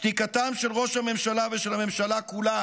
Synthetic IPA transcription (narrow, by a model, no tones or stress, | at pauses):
t̪ikat̪amʃe̞lʁo̞ʃhame̞mʃalaveʃelhame̞mʃalakula